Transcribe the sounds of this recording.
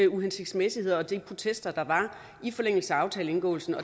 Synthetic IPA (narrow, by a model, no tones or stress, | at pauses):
əuɦensiɡ̥d̥smesihe̝ð̞̰ˠɒ̽d̥ipʰʁo̝t͡sʰesd̥ɐd̥ɑ̈ʋɑ̈ | ifɒ̽leŋ̰l̩səæɑ̈ʊt͡sʰɛːləe̝nɡ̥ɔ̰̽ːʊlsn̩ɒ̽